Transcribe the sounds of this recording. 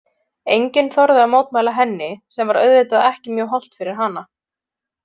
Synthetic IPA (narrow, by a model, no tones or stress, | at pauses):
ejɲcɪnθɔɾðʏamoːwt̪maːjlaɦɛnːɪsɛmvaɾœ̰ɥðvɪːt̪aðɛhcɪmjœːɦɔl̥t̪fɪɾɪɾ̥ɦana